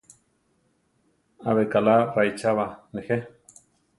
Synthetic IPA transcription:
aβekalaɾajt͡ʃaβanexe

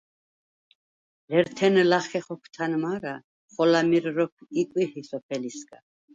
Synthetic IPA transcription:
lɛɾt̪ʰɛnlaχɛχɔkʰt̪ʰanmaɾa | χɔlamiɾɾɔpʰikʼwihisɔpʰɛlisɡʼa

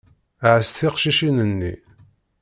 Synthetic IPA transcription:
ʕəsθɪqʃiʃinənːḭ

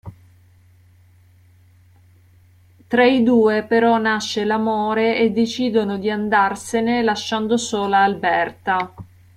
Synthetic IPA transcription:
t̪ɾaid̪uːepeɾɔnaʃːelamoːɾeed̪ːet͡ʃiːd̪onod̪iand̪arsenelaʃːand̪osoːlaːlbɛrt̪a

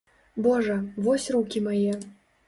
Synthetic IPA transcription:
bɔʐɐvɔsʲrukʲimajɛ

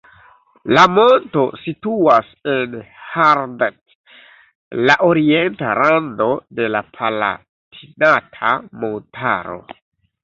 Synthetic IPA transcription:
lamo̞nto̞situasenhaɾdet | laʔo̞ɾie̞ntaɾando̞de̞lapʰala̰ | tʰinatʰamontʰa̰ɾo̞̰

